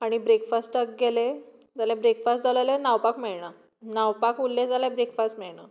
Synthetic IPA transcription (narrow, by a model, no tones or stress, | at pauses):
aɽ̃ibɾekfasʈək̚ɡele | d͡zalãbɾekfastd͡zʱalajlenawpakmeɭɳa | nawpakulːẽd͡zalaebɾekfasʈmeɭɳa